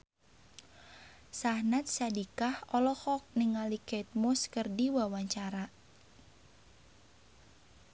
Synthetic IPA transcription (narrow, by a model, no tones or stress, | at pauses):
sahnat̪̚sadikahɔlɔhɔk̚nɪŋalikɛt̪̚mɔskərdiwawaɲt͡ʃaɾa